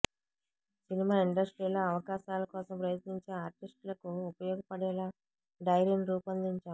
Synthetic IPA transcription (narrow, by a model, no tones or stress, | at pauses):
sinimaːiɳɖɐsʈɾiːlɐːɐʋɐkaːʃaːlɐkɔːsɐmpɾɐjɐt̪niɲt͡ʃeːaːɾʈisʈlɐkuːpɐjɔːɡɐpɐɽɛːlaː | ɖɐjɾenɾuːpɐnd̪iɲt͡ʃaː